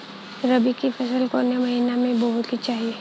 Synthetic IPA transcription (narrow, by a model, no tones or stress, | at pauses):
ɾɐbikipʰɛsəlkoːnemɐɦinamẽbəɦʊt̪kit͡ʃaːɦie